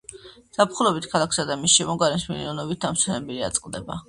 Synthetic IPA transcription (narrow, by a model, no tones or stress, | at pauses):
sapʰχulˠɔbit̪ʰkʰalˠakʰsad̪amisʃɛmɔɡaɾɛnsmilḭnɔnɔbit̪̚d̪amsʰɛnɛbilia̰t̪sʼqʼld̪ɛba̰